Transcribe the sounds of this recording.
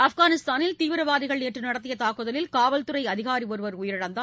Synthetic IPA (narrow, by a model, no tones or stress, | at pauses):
ɐfɣaːnɪst̪aːnɪlt̪iːʋɪɾɐʋaːðɪɣɐɭɛʈrɯnɐɽɐt̪̬ːɪjɐt̪aːkɯðɐlɪlkaːʋɐlt̪ɯɾɐɪɐðɪɣaːɾiɔɾɯʋɐɾʊjɪɾɪɽɐnd̪a